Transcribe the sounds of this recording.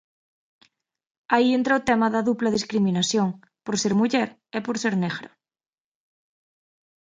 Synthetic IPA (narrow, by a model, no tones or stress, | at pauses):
aient̪ɾaot̪emaðaðuplaðiskɾimĩnasjoŋ | poɾseɾmuʝeɾ | epoɾseɾneɣɾo